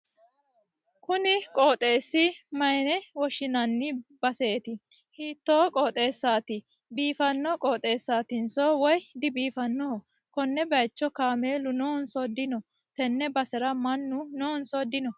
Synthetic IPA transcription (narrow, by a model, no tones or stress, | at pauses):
kʊnɪkʼoːt̪ʼe̞ːsːɪmɐjnɛwɔʃɪnɐnːɪb̥ɐseːt̪ɪ | hiːt̪ːoːkʼoːt̪ʼe̞ːsːaːt̪ɪ | biːfɐnːɔkʼoːt̪ʼe̞ːsːaːt̪ɪnsoːwɔjd̪ɪbiːfɐnːo | kɔnːɛbɐjt͡ʃːɔkaːmeːlʊnoːnsɔd̪ɪnɔ | t̪ɛnːɛbɐsɛɾɐmɐnːʊnoːnsɔd̪ɪnɔ